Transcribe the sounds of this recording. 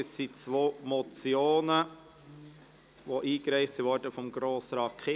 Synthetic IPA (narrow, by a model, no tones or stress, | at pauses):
əssit͡sʋoːmɔt͡sjoːnə | ʋoʔiːkɾɛɪχtsiʋɔɾdəfɔmɡɾoːsɾɑkʰe